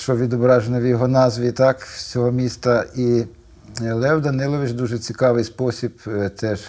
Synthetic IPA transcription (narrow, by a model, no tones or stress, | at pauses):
t͡ʃɔʋʲid̪ɔbɾɑʒenɔʋʲijɔɦɔnɑzʋʲit̪ɑkt͡sʲɔɦɔmʲist̪ɐi | lˠɛwd̪ɐnɪlˠɔʋɪt͡ʃd̪uʒɛt͡sʲikɑʋɪjspɔsʲibt̪ɛʃ